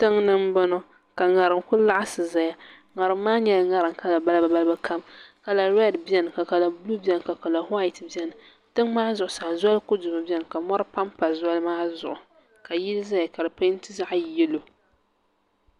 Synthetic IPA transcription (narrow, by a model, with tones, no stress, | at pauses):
tɨ˦ŋnɨ˦mbɔ˦nɔ˦ | ka˨ŋa˨ɾɨ˨ŋkʊ˦lla˦ʔa˦sɨ˨za˨ja˨ | ŋa˨ɾɨ˨mːaː˦ɲɛ˨lŋa˨ɾɨ˨ŋka˨la˨ba˦lba˨ba˦lba˦kʰa˦mka˨la˨ɾɛ˦dbɛ˦nɨ˨ka˨ka˨la˨blu˦bɛ˨n˨ka˨ka˨la˨hwa˦ɪ˨tbjɛ˦nɨ˨ | tɨ˦ŋmaː˦zʊ˨ʔʊ˨sa˨za˦lkʊ˦dʊ˨ma˨bjɛ˦nɨ˨ka˨mɔ˦ɾɨ˦pa˦mpa˨za˦lɨ˦maː˦zʊ˨ʔʊ˨ | ka˨ji˦lza˦ja˨ka˨ɾɨ˨pa˦n˦tɨ˦za˦ʔjɛ˦lo˨